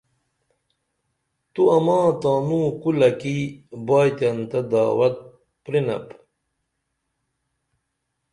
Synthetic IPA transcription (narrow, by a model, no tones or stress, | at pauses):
t̪uɐmãːt̪aːnũːkulɐkibaːjt̪ɐnt̪ɐd̪a̰ːwɐt̪̚ | pɾinɐ̰p